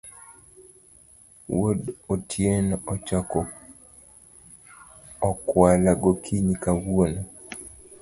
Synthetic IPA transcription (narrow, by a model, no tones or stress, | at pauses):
wodotʰjenɔt͡ʃɔkɔ | ɔkwalaɡokʰiɲikawwono